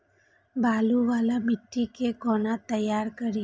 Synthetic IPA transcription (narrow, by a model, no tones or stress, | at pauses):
baluʋalamɪʈːikeɡɔnat̪əjaɾkəɾi